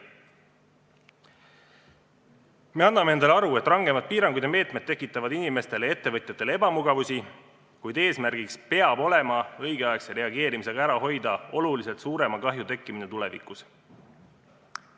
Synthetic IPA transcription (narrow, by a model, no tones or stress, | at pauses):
me̞ɑnːɑmeend̪ɑleɑɾue̞t̪ˑrɑŋɡ̥e̞mɑt̪̚piːɾɑŋɡud̪jɑme̞ːt̪met̪ːe̞kːˑit̪ːˑɑvɑd̪inime̞st̪e̞lee̞t̪ːe̞vɤ̞t̪ʲjɑt̪ːˑe̞lee̞bɑmuɡ̥ɑvusʲi | kujd̪e̞ːsmærɡ̥ikspe̞ɑb̥o̞le̞mɑɤ̞jɡ̥eɑekseɾe̞ɑɡe̞ːɾimise̞ɡ̥ɑæɾɑɦo̞jd̪̥ɑo̞lulise̞lt̪suːɾe̞mɑkɑɦjut̪e̞kˑːiminet̪ule̞vḭkˑus